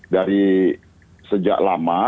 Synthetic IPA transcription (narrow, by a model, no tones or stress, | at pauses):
daɾi | səd͡ʒa̰ʔlama